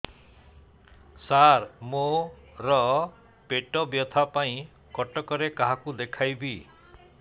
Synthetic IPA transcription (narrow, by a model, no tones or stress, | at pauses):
saɾmo | ɾɔ | peʈɔbjɔt̪ʰapaĩ | kɔʈɔkɔɾekaɦakud̪ekʰajbi